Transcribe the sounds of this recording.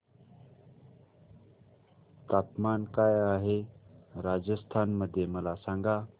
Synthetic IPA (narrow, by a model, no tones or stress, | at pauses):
t̪aːpmaːnkaːjaːɦeɾaːd͡ʑəst̪ʰaːnməd̪ʱjeməlasãːŋɡaː